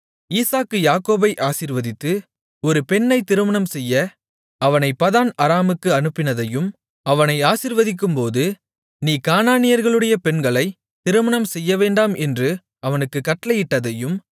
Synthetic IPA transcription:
iːsaːkːɯjaːkoːbɐɪʔaːsiːɾʋɐðɪt̪ːɯ | ɔɾɯpɛɳːɐɪt̪ɪɾɯmɐɳɐmsɛjːɐ | ɐʋɐnɐɪpːɐðaːnɐɾaːmɯkːɯɐnɯpːɪnɐðɐjɯm | ɐʋɐnɐɪaːsɪɾʋɐðɪk̬ːɯmpoːðɯ | niːkaːnaːnɪjɐɾɣɐɭɯɽɐjɐpɛɳɡɐɭɐɪ | t̪ɪɾɯmɐɳɐmsɛjːɐʋeːɳɖaːmɛndrɯ | ɐʋɐnɯkːɯkːɐʈːlɐjɪʈːɐðɐjɯm

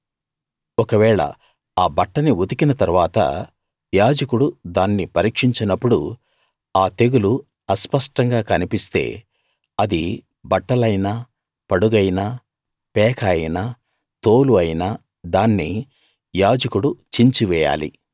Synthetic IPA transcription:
ɔkɐʋɛːɭɐ̰ | aːbɐʈːɐniud̪ikinɐt̪ɐɾuʋaːt̪ɐ̰ | jaːd͡ʒɐkuɽud̪aːnːipɐɾiːkʂiɲt͡ʃinɐpːuɽu | aːt̪e̞ɡulu | ɐspɐʂʈɐŋɡaːkɐnipist̪e̞̰ː | ɐd̪i | bɐʈːɐlɐjnaː | pɐɽuɡɐjinaː | pɛːkʰɐjina | t̪oːluɐjinaː | d̪aːnːi | jaːd͡ʒɐkuɽut͡ʃiɲt͡ʃiʋɛːja̰ːlḭ

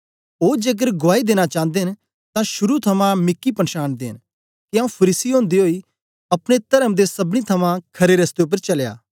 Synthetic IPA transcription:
oːd͡ʒeːɡ̬əɾɡʊaːid̪eːnat͡ʃãːnd̪eːn | t̪ãʃʊɾut̪ʰɐmãmɪkːipɐnʃaːnd̪ẽːn | kiaːũpʰɐɾiːsiɦõːnd̪iɦoːi | ɐpɽ̃et̪ɐɾəmd̪esɐbɽ̃it̪ʰɐmãkʰɐɾeɾɐst̪eʊp̬ːəɾt͡ʃɐlja̰ː

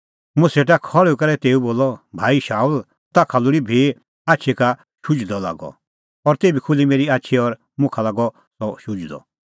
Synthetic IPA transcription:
mʊ̃seʈ̬akʰɔɭukɐɾɛt̪eːuboːlɔbʱaːiʃaːul | t̪akʰalʊɽibʱi | aːtːt͡ʃʰɛka | ʃʊd͡ʒd̪ɔla̰ɡɔ̰ | ɔɾt̪eːbikʰʊlimeːɾiaːtːʃʰɛɔɾ | mʊ̃kʰalaɡɔ | sɔʃʊd͡ʒd̪ɔ̰

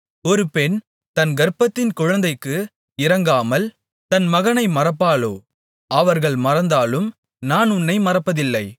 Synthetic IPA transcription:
ɔɾɯpɛn | t̪ɐnɡɐɾpːɐt̪ːɪnkʊɻɐnd̪ɐɪkːɯ | ɪɾɐŋɡaːmɐl | t̪ɐnmɐɣɐnɐɪmɐrɐpːaːlo̰ː | ɐʋɐɾɣɐɭmɐɾɐnd̪aːlɯm | naːnʊnːɐɪmɐrɐpːɐðɪlːɐɪ

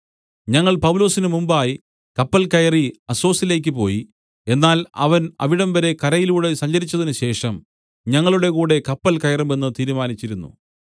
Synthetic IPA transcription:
ɲɐŋːɐɭpɐʋulo̞ːsinɨmumbaːji | kɐpːɐlkɐjɐriɐso̞ːsile̞ːk̬ʲːɨpo̞ːji | e̞nːaːlɐ̰ʋɐnɐ̰ʋiɽɐmʋɐɾe̞kɐɾɐjiluːɽe̞sɐɲd͡ʑɐɾit͡ɕːɐðinɨɕe̞ːʂɐm | ɲɐŋːɐɭuɽe̞kuːɽe̞kɐpːɐlkɐjɐrimenːɨt̪iːɾumaːnit͡ɕːiɾunːṵ

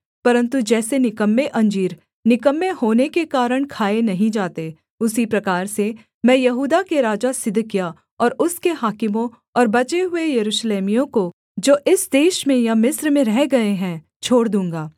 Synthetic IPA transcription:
pɐɾə̃nt̪ud͡ʒɛːsenɪkəmːeʔɐ̃ɲd͡ʒiːɾ | nɪkəmːeɦoːnekekaːɾəɽ̃kʰaːenɐɦĩd͡ʒaːt̪e | ʊsipɾɐkaːɾse | mɛ̃ːjɐɦuːd̪akeɾaːd͡ʒasɪd̪ʱkija | ɔːɾʊskeɦaːkɪmõ | ɔːɾbɐt͡ʃeɦʊejɐɾuːʃleːmijõko | d͡ʒoːʔɪsd̪eːʃmẽjamɪsɾmẽɾɛɦɡɐeɦɛ̃ | t͡ʃʰoːɽd̪ũːŋɡaː

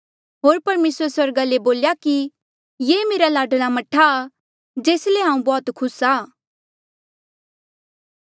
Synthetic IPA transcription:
ɦoːɾpɐɾmeːsəɾswɐɾɡaleboːljaki | jeːmeːɾalaːɖəlamɐʈʰaː | d͡ʒeːsleɦãːũbɔːt̪kʰʊsaː

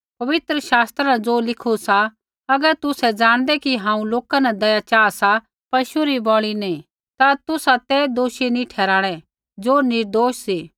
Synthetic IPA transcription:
pɐʋɪt̪ɾəʃaːst̪ɾanɛd͡zoːlɪkʰusa | ɐɡəɾt̪ʊsɛd͡ʒaːɽ̃d̪ɛkiɦãːũloːkanɛd̪ɐjat͡ʃaːsa | pɐʃuɾibɔːɭ̃inei | t̪at̪ʊsat̪ɛd̪oːʃinĩʈʰɛːɾaːɽ̃ɛ | d͡zoːnɪɾd̪oːʃsiː

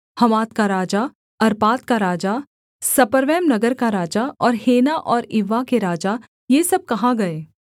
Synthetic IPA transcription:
hɐmaːt̪kaɾaːd͡ʒa | ɐɾpaːt̪kaɾaːd͡ʒa | sɐpəɾʋɛːmnɐɡəɾkaɾaːd͡ʒaʔɔːɾheːnaʔɔːɾɪʋːakeɾaːd͡ʒa | jeːsɐb̚kɐɦãɡɐeː

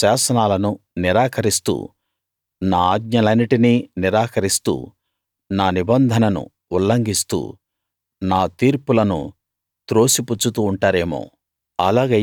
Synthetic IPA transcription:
aːsɐnaːlɐnu | niɾaːkʰɐɾist̪ṵː | naːaːɡɲɐlɐniʈiniːniɾaːkʰɐɾist̪ṵː | naːnibɐnd̪ʱɐnɐnṵ | ulːɐŋɡist̪ṵː | naːt̪iːɾpulɐnṵ | t̪ɾo̞ːsiput͡ʃːut̪uːɳʈaːɾe̞ːmo̰ː | ɐlaːɡe

